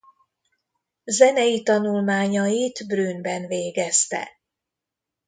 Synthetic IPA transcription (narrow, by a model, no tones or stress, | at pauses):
zɛnɛjit̪ɒnulmaːɲɒjit̪bryːnbɛnveːɡɛst̪ɛ̰